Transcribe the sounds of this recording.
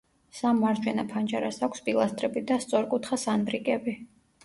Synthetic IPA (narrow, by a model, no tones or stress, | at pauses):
samaɾd͡ʒwɛnapʰand͡ʒaɾasakʷʰspʼilˠast̪ʼɾɛbid̪ast̪sʼɔɾkʼut̪ʰχasanbɾikʼɛbi